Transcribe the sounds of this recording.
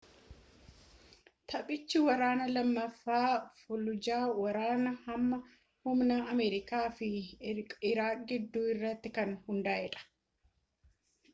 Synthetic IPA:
t̪ʰɐpʼɪt͡ʃːɪwɐɾaːnɐlɐmːɐfːaːfʊlʊd͡ʒaːwɐɾaːnɐhɐmːɐ | hʊmnaɐmɛːɾɪkaːfɪ | ɪɾaːɡɪd̪ːuːɪrːɐt̪ːɪkɐnhʊnd̪aːʔɛᶑɐ̥

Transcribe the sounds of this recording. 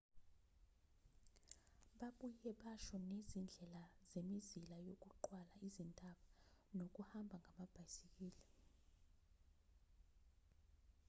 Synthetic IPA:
ɓaɓujɛɓaʃɔnezind͡ɮʱɛlazemizilajok̬uǃwalaizintʼaɓanok̬ʼuhambʱaŋʱamab̥ʱajsik̬ʼiːli

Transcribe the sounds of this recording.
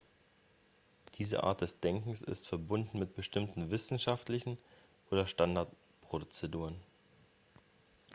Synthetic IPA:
d̥iːzə̰ʔa̰ːɐt̚d̥ɛsd̥ɛŋkŋ̩sɪ̰stfɛɐbʊndn̩mɪt̚b̥əʃtɪmtn̩vɪsn̩ʃaftlɪçn̩ | ʔoːdɐʃtandaɐt | pʁ̥odt͡sɛduːʁən

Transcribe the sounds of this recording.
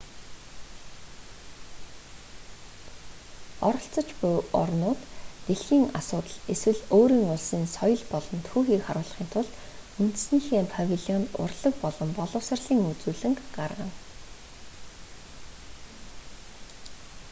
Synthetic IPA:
ɔɾɞ̆ɬt͡sə̆t͡ɕpʊɔ̰rnʊːt̪ːeɮxiːŋasʊːt̪ə̆ɮeswɘ̆ɮoːɾiːŋʊɮsiːnsɔjɞ̆ɮpɔɮɞ̆nt̪ʰxuːxiːkχaɾʊːɮ̆χiːnt̪ʰʊɮt̪ | unt̪sniːxeːmpʰavʲiɮiɔnt̪ʊ̰rɮə̆k̚pɔɮɞ̆mpɔɮʊ̆ːsə̆rɮiːŋut͡suːɮɘ̆ŋɢarʁə̆n

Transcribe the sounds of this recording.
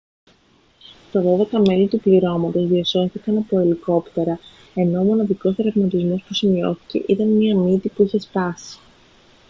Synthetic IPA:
st̪ɐðo̞ðekɐme̞lit̪upliɾo̞mɐt̪o̞zðiɐso̞θikɐnɐpo̞iliko̞pt̪e̞ɾɐ | e̞no̞ːmo̞nɐðiko̞sθɾɐvmɐt̪izmo̞spusimio̞̰θi̥ce̞̰ʔit̪ɐnmiɐmit̪ipuiçe̞sp̪ɐsi̥

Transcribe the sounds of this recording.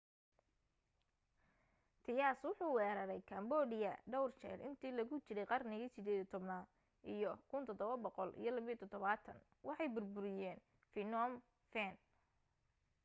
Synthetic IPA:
t̪ʰɪjaːswʊħuːwɛːɾɐɾɛjkʰɐmbɔːdɪjɐɖɔwrt͡ʃɛ̰rʔɪ̰nt̪ʰiːlɐɣʊt͡ʃɪɾɛjqɑrnɪɣisɪd̪ɛːðit̪ʰɔbnaːd̪ | ʔijɔkʰʊnt̪ʰɔd̪ɔβɐbɔqɔlʔḭjɞlɐβijɔt̪ʰɔd̪ɔβaːt̪ʰɐ̰n | wʔɑħɑjbʊrbʊɾɪjɛːn | fɪnɔm | fɛn

